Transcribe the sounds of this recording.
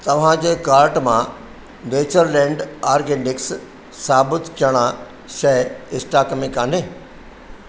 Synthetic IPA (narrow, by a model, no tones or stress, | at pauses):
t̪ɐʋ̤ãd͡ʑeːkaːɾʈmã̰ | ʋeːt͡ɕəɾlɛ̃ːɳɖaːɾɡeːnɪks | saːbɪt̪kʰɐɽ̃a | ʃɐɦɪsʈaːkmẽkãːneː